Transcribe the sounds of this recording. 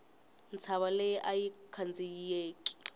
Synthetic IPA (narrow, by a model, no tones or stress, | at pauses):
nt͡sʰaɓalɛjʔajikʰand͡zʱijeːki̥